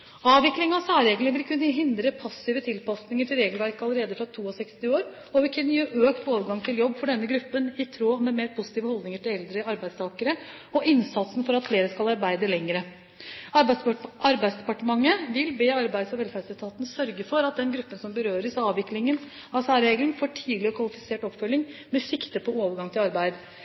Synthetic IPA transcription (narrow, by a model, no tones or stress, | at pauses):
ɑːʋɪklɪŋɑʋsæːɾeːɡnʋɪlkʰʉnːəɦɪnd̪ɾəpʰɑsːɪʋət̪ʰɪlpɑsnɪŋəʈʰɪlɾeːɡəlʋæɾkəɑlːəɾeːd̪əfɾɑt̪ʰuːɔsɛkst̪ɪoːɾ | ɔʋɪlkʰʉnːəjeːʔøːkt̪ʰoːʋəɾɡɑŋt̪ʰɪljɔbːfɔɖɛnːəɡɾʉpːənɪt̪ʰɾoːmɛmeːɾpʰʊsɪt̪iːʋəhɔld̪nɪŋəʈɪlɛld̪ɾəɑɾbæɪd̪st̪ʰɑːkəɾə | ɔʔɪnsɑt̪sn̩fɔɾɑt̪fleːɾəskɑlɑɾbæɪd̪əlɛŋːəɾə | ʔɑɾbæɪsd̪ɛpɑʈəmɑŋːəʋɪlbeːɑɾbæɪd̪sɔʋɛlfæɖsɛlt̪ʰɑːt̪nəsœɾɡəfɔɾɑt̪̚d̪ɛnɡɾʉpːənsɔmbəɾøːɾəsɑːʋʋɪklɪŋən | ɑʋsæːɾɾeːɡlənfoːʈʰiːd̪lɪɔkʰʋɑlɪfɪ̥seːʈɔpːfœlːɪŋmɛsɪkt̪əpʰɔoːʋəɾɡɑŋt̪ʰɪlɑɾbæɪd̪